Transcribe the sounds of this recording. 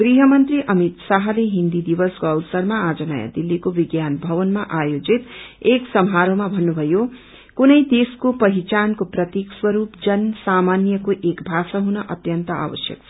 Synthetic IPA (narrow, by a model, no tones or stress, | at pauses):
ɡriɦʌmʌnt̪riʔʌmit̪saɦʌleɦind̪id̪ibʌsɡʌlsʌɾmaad͡zʌna̰ja̰d̪ilːikobiɡjanbʱʌβʌnmaʔajod͡zit̪eksʌmɦaɾomabʱʌnːubʱʌjo | kunʌjd̪eskopʌɦit͡sankoprʌt̪ikswʌɾupd͡zʌnsamanjʌkoʔekbʱasaɦunʌʔʌt̪jʌnt̪ʌa̰wʌ̰sjʌ̰k̚t͡sʰʌ